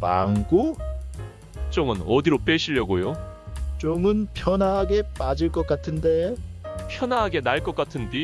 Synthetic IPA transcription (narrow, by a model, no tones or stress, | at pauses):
pa̰ŋɡo | t͡ɕ͈oŋɯnʌdiɾop͈eɕʰiʎːʌɡojo | t͡ɕoŋɯnpʰjʌnaɦaɡe̞p͈ad͡ʑiɭk͈ʌk͈atʰɯnde̞pʰjʌnaɦaɡe̞naɭk͈ʌk͈atʰɯndi